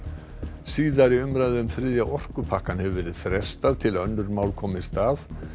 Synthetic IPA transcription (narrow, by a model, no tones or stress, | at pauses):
siːðaɾɪʏmɾajðɪʏmθɾɪðjaʔɔr̥kʏpʰahkanhɛvʏvɛːɾɪð̥fɾɛst̪aðt̪ʰɪlœnːʏɾmaːwlkʰɔːmɪst̪aːð